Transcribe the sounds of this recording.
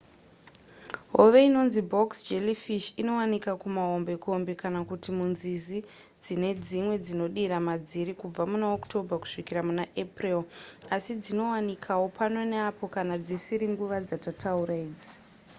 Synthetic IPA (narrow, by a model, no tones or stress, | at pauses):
ɦoʋe̞ino̞nzibʱo̞ksd͡ʒelifiʃino̞wanikakumaombe̞ko̞mbekanakutimunzizi | d͡zine̞d͡zimwe̞d͡zino̞ɗiɾamad͡ziɾikub͡vamunaokto̞bʱaku̥ʂikiramunaʔeprilasid͡zino̞wanikʰawo̞pano̞neapo̞kanad͡zisiɾiŋɡuʋad͡zatatauɾaiːd͡zi